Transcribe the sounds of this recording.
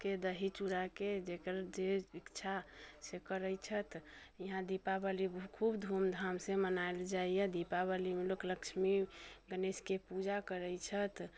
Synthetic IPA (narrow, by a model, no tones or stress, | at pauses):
ked̪əɦit͡ʃuɾaked͡ʒekəɾd͡ʒeikt͡ʃʰasekəɾəjt͡ʃʰət̪iɦãd̪ipabəlibkʰubd̪ʱumd̪ʱamsẽmənaeld͡ʒaijɛd̪ipabəlimelokləkt͡ʃʰmiɡəneskepud͡ʒakəɾəjt͡ʃʰət̪